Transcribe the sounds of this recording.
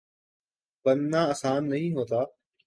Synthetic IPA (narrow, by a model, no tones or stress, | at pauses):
bənnãːəsãːnːəɦĩːɦoːt̪aː